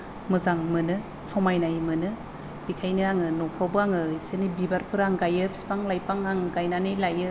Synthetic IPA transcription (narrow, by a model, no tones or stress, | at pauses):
mɯzaŋmɯnɯ | sɔmajnajmɯnɯ | b̥ikʰajnɯaŋɯnɔpʰɾawbɯaŋɯisenibibaɾpʰɯɾaŋɡajɯpʰi̥si̥paŋlajpʰaŋaŋɡajnanɯlajɯ